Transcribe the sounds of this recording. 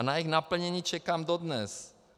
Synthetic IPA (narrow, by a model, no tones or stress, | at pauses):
najixnapl̩ɲɛɲiːt͡ʃɛkaːmdodnɛs